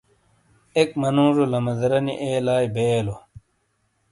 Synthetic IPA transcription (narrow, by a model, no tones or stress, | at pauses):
ek̚mɐnũːɾolɐmɐd̪ɐɾɐniʔeːlaːjbeːlo